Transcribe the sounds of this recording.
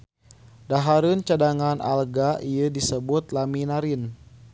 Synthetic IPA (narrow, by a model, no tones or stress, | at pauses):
daɦaɾɨnt͡ʃadaŋanʔa̰lɡaʔijədisəbut̪̚laminaɾɪn